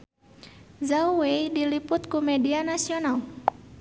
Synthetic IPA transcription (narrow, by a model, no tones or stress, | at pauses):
zauweidilipʊt̪̚kumɛdianasional